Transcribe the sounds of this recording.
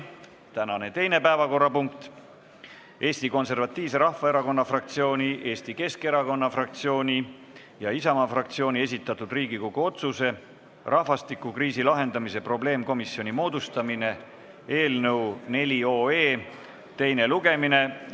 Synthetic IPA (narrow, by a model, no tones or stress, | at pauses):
t̪ænɑne̞t̪e̞jne̞pæevɑko̞rːɑpuŋkt̪ | e̞ːst̪iko̞nse̞rvɑt̪ˑːiːvs̬e̞ɾɑhvɑe̞ɾɑko̞nːɑfrɑk̚t̪sio̞ːnʲiʔe̞ːst̪ike̞ske̞ɾɑko̞nːɑfrɑk̚t̪sio̞ːnʲi | jɑisɑmɑfrɑk̚t̪sio̞ːnʲie̞s̬ʲit̪ːˑɑt̪ːˑud̪̥riːɡ̥iko̞ɡ̥uo̞t̪suse̞ | rʔɑhvɑst̪ikːukriːsilɑɦe̞nd̪̥ɑmise̞pro̞ble̞ːmko̞misjo̞nimo̞ːd̪̥ust̪ɑmine̞ | e̞ːlnɤwne̞lʲio̞ːe̞ː | t̪e̞jne̞luɡe̞mine̞